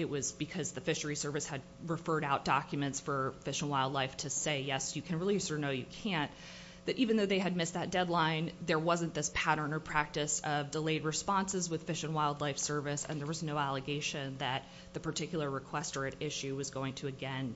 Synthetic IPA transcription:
ɨʔ̚wʌzbɨkʰʌzðɨfɪʃə˞isɜ˞vɨshɨd̚ɹɨfɜ˞ɾaʊt̚d̥ɑkjmɨ̃ntsfə˞fɪʃɨ̃nwaɪlˠdˡlaɪftʰɨseɪjɛsjɨkʰɨ̃nɹɪlˠisə˞noʊjɨkʰæ̃n | ðɨɾʔivɨ̃n̩ðoʊðeɪɨd̚mɪsðɨt̚d̥ɛdˡlãɪ̃nðə˞wʌzɨ̃nðɪspʰæɾə̃˞nə˞pʰɹ̥æk̚tɨsʌvdəleɪd̚ɹɨspɑ̃nsɨzwɨð̥fɪʃɨ̃nwaɪlˠdˡlaɪfsɜ˞vɨsɨ̰̃nðə˞wʌznoʊælˠəɡeɪʃɨ̃nðɨt̪̚ | ðɨpʰə˞tʰɪkjl̩ˠə˞ɹɨkʰw̥ɛstə˞ɨɾɪʃʉwʌzɡoʊɪ̃ŋtʰɨɨɡɛ̃n

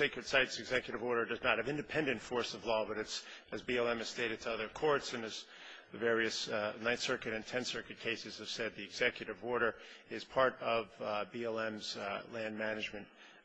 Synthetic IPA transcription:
seɪkɹɨd̥saɪtsɨɡzɛkjɨɾɨvɔɹɾə˞dʌznət̚hɨvɪ̃ndɨpʰɛ̃ndɨ̃ntfɔɹsʌvlɔbʌɾɨtsɨzbiɛlˠɛ̃mɨz̥steɪɾɨd̚tʰɨʌðə˞kʰɔɹtsɨ̃nɨz | ðɨvɛɹiɨsnãɪ̃nsɜ˞kɨɾɨ̃ntʰɛ̃nsɜ˞kɨt̚kʰeɪsɨz̥ɨv̥sɛd̪̚ðiɨɡz̥ɛkjɨɾɨvɔɹɾə˞ɪz̥pʰɑɹɾʌvbiɛlˠɛ̃mz̥læ̃nmænɨd͡ʒmɨ̃nt̚

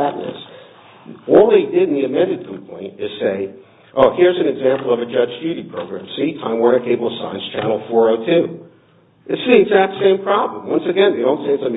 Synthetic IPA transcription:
æʔⁿnɨ̰s | ɔlˠðeɪdɪdn̩ðiɨmɛ̃ndɨd̚kʰmpʰl̥ḛ̃ɪ̃nɨz̥seɪ | ʔoʊhɪɹzɨ̃n̩ɨɡzæ̃mpl̩ˠʌvɨd͡ʒʌd͡ʒdʉɾipʰɹ̥oʊɡɹæ̃msitʰã̰ɪ̃mwə̃˞ɪ̃keɪbl̩ˠtə̥sã̰ɪɨ̃nst͡ʃʰænl̩ˠfɔɹoʊtʰʉ | ɨtsĩzæt̪̚ðəsẽɪ̃mpʰɹ̥ɑblə̃mwʌ̃nsɨɡɛ̃nðeɪɾõʊ̃ntseɪɨtsã

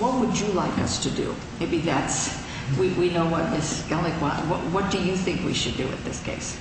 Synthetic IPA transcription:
wʌt̚wəd͡ʒɨlaɪkʌ̰stʰɨdɨ̰ | meɪbiðæts | wiwinoʊwʌt̪̚ðɪsɡ̥ɛlɨkwɑ̃wʌ̰ʔwʌt̚d̥ɨjɨθɪ̃ŋkwḭʃɨdɨ̰ɨ̰nðɪskʰḛɪs

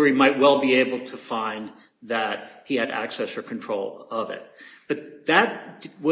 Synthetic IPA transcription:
imaɪt̚wɛlˠbieɪbl̩ˠtʰəfãɪ̃n | ðɨt̚hiɨɾæ̰ksɛsə˞kʰntʰɹ̥oʊlˠʌvɪ̰t̚b̥ʌt̪̚ðɨt̚wʌ

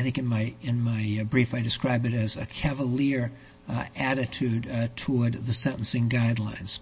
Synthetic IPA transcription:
ɪθɪ̃ŋkɨ̃nmaɪɨ̃nmaɪbɹifaɪdɨskɹaɪbɨɾɨzɨ̰kʰævəlɪɹ | æɾɨtʰʉd̚tʰɔɹd̪̚ðɨsɛ̃ɾ̃ʔn̩sɪ̃ŋɡaɪdˡlã̰ɪ̃nz̥

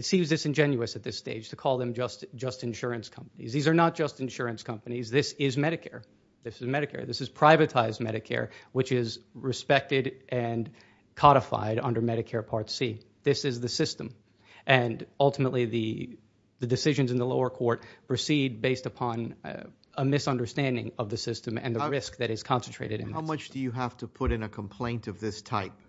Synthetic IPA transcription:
ɨtsĩmzðɨsɨ̃nd͡ʒɛ̃njʉɨsɨt̪̚ðɪsteɪd̥ʒ̥tʰɨkʰɔlˠðɨ̃md͡ʒʌstd̥ʒ̥ʌstɨ̃nʃʊɹɨ̃nskʰʌ̃mpənḭzðizə˞nət̚d̥ʒ̥ʌstɨ̃nʃʊɹɨ̃nskʰʌ̃mpɨnizðɪsɪzmɛɾɨkʰɛɹ | ðɪsɨzmɛɾɨkʰɛ̰ɹðɪsɨz̥pʰɹ̥aɪvɨtʰaɪzmɛ̰ɾɨkʰɛ̰ɹwɨt͡ʃɪzɹɨspɛk̚tɪɾʔɨ̃n | kʰɑɾəfa̰ɪɾʌ̃ndə˞mɛɾɨkʰɛɹpʰɑɹtsi | ðɪsɨzðɨsɪstə̃m | ʔɨ̃nʌlˠtəmətˡliðɨ | ðɨdɨsɪʒɨ̃nzɨ̃n̩ðəloʊə˞kʰɔɹt̚pʰɹ̥ɨsid̚beɪstɨpʰɑ̃n | əmɪsʌ̃ndə˞stæ̃ndɪ̰̃ŋʌvðɨsɪstɨ̃mɨ̰̃nðɨɹɪsk̚ðɨɾɨz̥kʰɑ̃nsn̩tɹ̥ḛɪɾɨɾɨ̰̃n̩aʊmʌt͡ʃd̥ɨjɨɦæftʰəpʰʊɾɨ̃nɨkʰə̃m̩pʰl̥ẽɪ̃ntʌvðɪstʰaɪp̚

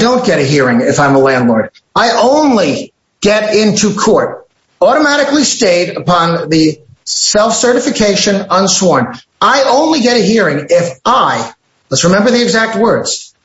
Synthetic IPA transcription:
dõʊ̃nɡ̥ɛɾɨɦiɹɪ̃ŋɪfãɪ̃məlæ̃ndˡlɔɹɾ | aɪʔõʊ̃nli | ɡ̥ɛɾɪ̃ntʰukʰɔɹɾ | ɔɾəmæɾɨklisteɪɾəpʰɑ̃nðɨsɛlˠfsɜ˞ɾɨfɨkʰeɪʃɨ̃nʌ̃nswɔɹn | aɪʔõʊ̃nliɡɛɾɨɦiɹɪ̃ŋɪfaɪ | lətsɹɨmɛ̃mbə˞ðiɨɡzæk̚t̚wɜ˞dz̥

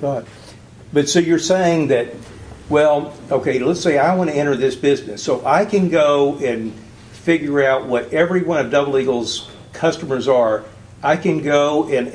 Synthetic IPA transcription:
ɡ̥ʌt̚ | b̥ʌtsoʊjə˞seɪɪ̃ŋðɨt̚ | wɛlˠoʊkʰeɪlətseɪaɪwɑ̃ñɨɛ̃ɾ̃ə˞ðɪsb̥ɪznɨsoʊʔaɪkɨ̃nɡoʊɨ̃n | fɪɡjə˞aʊʔ̚wʌɾɛvɹiwʌ̃nʌvdʌbl̩ˠiɡl̩ˠz̥ | kʰʌstəmə˞zə˞ | ʔaɪkɨ̃nɡoʊɨ̃n

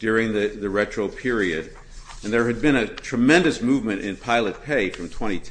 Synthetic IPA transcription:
d̥ʊɹɪ̃ŋðɨðɨɹɛt͡ʃɹ̥oʊpʰɪɹiɨɾ | ɨ̃nðə˞ɨd̚bɨ̃ɾ̃ɨtʰɹ̥ɨmɛ̃ndɨsmuvmɨ̃ɾ̃ʔɪ̰̃npʰaɪlˠɨt̚pʰeɪfɹʌ̃mtʰw̥ɛ̃ɾ̃itʰ

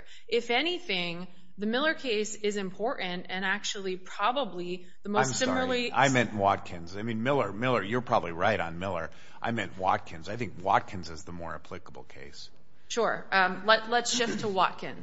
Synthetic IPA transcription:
ʔɪfɛñiθɪ̃ŋ | ðɨmɪlˠə˞kʰeɪsɪzɨ̃mpʰɔɹʔn̩tɨ̃næk̚t͡ʃul̩ˠipʰɹ̥ɑbəbli | ðəmoʊ̃ssɪ̃ml̩ˠia̰ɪmɛ̃nʔwɑt̚kʰɨ̃nzaɪmĩnmɪlˠə˞mɪlˠə˞jə˞pʰɹ̥ɑbəbliɹaɪɾn̩mɪlˠə̰˞ | ʔaɪmɛ̰̃nʔwɑ̰t̚kʰɨ̃nzaɪθɪ̃ŋkwɑ̰t̚kʰɨ̃nzɨzðəmɔ̰ɹɨ̰pʰl̥ɪkəbl̩ˠkʰḛɪs | ʃʊɹʌlɛtlətsʃɪftʰəwɑ̰t̚kʰɨ̃n

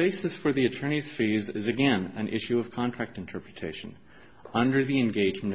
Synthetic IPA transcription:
eɪsɨsfə˞ðiɨtʰɜ̃˞ñiz̥fizɪzɨɡɛ̃nɨ̃nʔɪ̰ʃʉʌv̥kʰɑ̃ntʰɹ̥æk̚tɨ̃n̩tʰɜ˞pɹɨtʰeɪʃɨ̃n | ʌ̃ndə˞ðiɨ̃nɡeɪd͡ʒmɨ̃n

